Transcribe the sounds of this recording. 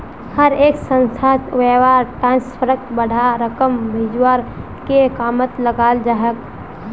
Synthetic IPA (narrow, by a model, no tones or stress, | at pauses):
həɾeːksə̃nsʰat̪ʋeːwaːɾʈɾãːnspʰəɾək̚t̪bəɽ̤ʱaɾəkəmbʱɪd͡ʒwaɾ | kekaːmət̪ləɡaːld͡ʒaːɦək